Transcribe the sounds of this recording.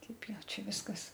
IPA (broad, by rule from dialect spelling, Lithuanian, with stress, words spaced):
ˈtʲɛɪp ˈjɛʊ ˈt͡ʃʲɛ ˈʋʲɪskɐs